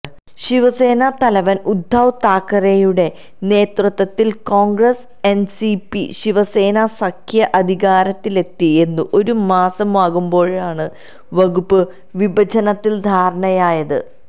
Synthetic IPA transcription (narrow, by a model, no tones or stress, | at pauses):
ɕiʋɐse̞ːnɐt̪ɐlɐʋɐnud̪ʱːawt̪aːkːɐrejuɽe̞ | ne̞ːt̪rɨt̪ʋɐt̪ːilko̞ːŋɡɾɐs | e̞nsipiɕiʋɐse̞ːnɐsɐkʰjɐʔɐd̪ʱiɣaːɾɐt̪ːile̞t̪ːie̞nːuʔo̞ɾumaːsɐmʋaːɣumbo̞ːɻaːɳɨ | ʋɐɣupːɨ | ʋibɐd͡ʑɐnɐt̪ːild̪ʱaːɾɐɳɐjaːjɐðɨ